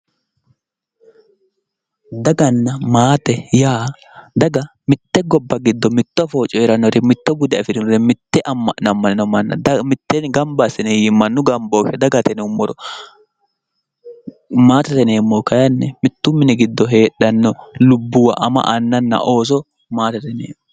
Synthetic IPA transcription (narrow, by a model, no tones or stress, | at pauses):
d̪ɐɡɐnːɐmaːt̪ɛjaː | d̪ɐɡɐ | mɪt̪ːɛɡɔbːɐɡɪd̪ːɔmɪt̪ːɔfo̞ːt͡ʃʼːɔɛɾɐnːɔɾɛmɪt̪ːɔbʊd̪ɐɪfɪnɪnɔɾɛmɪt̪ːɛʔɐmːnɐmːɐnɪnɔmɐnːɐ̰dmɪt̪ːɛnɡɐmbasɪnɛjimɐnːʊɡɐmboːfɛd̪ɐɡɐt̪ɛnɛʊmːɔɾɔ | maːt̪ɐt̪ɛneːmːokɐjɐnːɛmɪt̪ːʊmɪnɛɡɪd̪ːɔɦe̞ːɗːɐnːɔlʊbːʊwɐʔɐmɐ̰ʔɐnːɐnːɐ̰ʔo̞ːs̬ɔ | maːt̪ɐt̪ɛnḛːmː